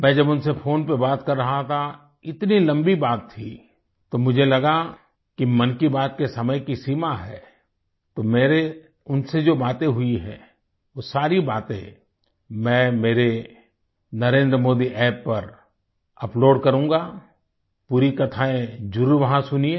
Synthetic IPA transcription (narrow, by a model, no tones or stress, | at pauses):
mɛ̃ːd͡ʒɐbʊnsefʰoːnpebaːt̪kɐɾːɐɦat̪ʰa | ɪt̪nilɐ̃mbibaːt̪ʰːi | t̪omʊd͡ʒʱelɐɡa | kimɐnkibaːt̪̚kesɐməjkisiːmaɦɛ̰ː | t̪oːmeːɾe | ʊnsed͡ʒoːbaːt̪ẽɦʊiɦɛ̰̃ː | ʋoːsaːɾibaːt̪ḛ̃ | mɛ̃ːmeːɾe | nɐɾẽːnd̪ɾəmoːd̪iʔɛːpːɐɾ | ɐploːɖkɐɾũːɡaː | puːɾikɐt̪ʰaːẽd͡ʒʊɾuɾʋɐɦãsʊniẽ